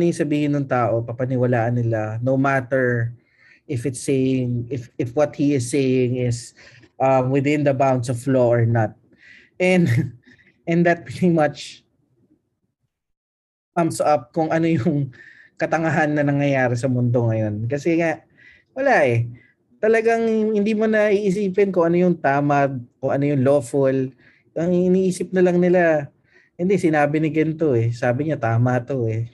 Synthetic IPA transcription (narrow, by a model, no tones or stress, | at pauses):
nɪisɐbiːhɪnːʊŋt̪aːʔo̞pɐpɐnɪwɐlaːʔɐnːɪlanowmat̪ɛɹ | ʔɪfɪt̪sejɪŋɪfɪfwɔt̪̚hiɪsːejɪŋɪs | ʔɐmwɪðɪ̃nd̪ɐbãwnd̪sɔvfloʔɔɹnɐt̪̚ | ʔɛ̃n | ʔɛ̃nd̪ɐt̪̚pɹɛt̪imɐt͡ʃ | kɐmsɐp̚kʊŋʔɐno̞jʊŋ | kɐt̪ɐŋɐɦanːɐnɐŋjɐjaːɾɛsɐmʊnd̪oŋɐjo̞nkɐsɛŋaʔ | wɐlaʔɛ | t̪ɐlɐɡaŋhɪnd̪iːmo̞nɐʔiːʔɪs̬iːpɛnkʊŋʔɐno̞jʊŋt̪aːmɐɡ̚kʊŋʔɐno̞jʊŋlo̞ːfʊl | ʔɐŋiɪniːʔiːsɪp̚nɐlɐŋnɪla | hɪnd̪ɛsɪnaːbɪnɪɡɐnt̪o̞ʔɛsaːbɪɲat̪aːmɐt̪o̞ɛ